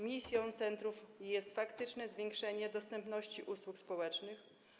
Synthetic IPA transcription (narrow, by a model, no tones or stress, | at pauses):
mʲisʲjɔ̃t̪sɛnt̪ɾufjɛst̪fakt̪ɘt͡ʂnɛzvʲjeŋkʂɛɲɛd̪ɔst̪ɛmpn̪ɔɕt͡ɕiʔuswukspɔwɛt͡ʂnɘx